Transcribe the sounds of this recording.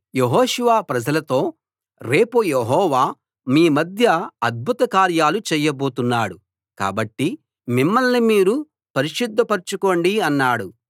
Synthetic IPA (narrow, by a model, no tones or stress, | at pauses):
jeɦɔːʃuʋaːpɾɐd͡ʒɐlɐt̪o̞ː | ɾe̞ːpujeɦɔːʋaː | miːmɐd̪ʱjɐɐd̪̚bʱut̪ɐkaːɾjaːlut͡ʃɛːjɐbo̞ːt̪unːaːɽu | ka̰ːbɐʈːi | mimːɐlnimiːɾu | pɐɾiʃud̪ʱːɐpɐɾt͡ʃuko̞ːɳɖiɐnːaːɽu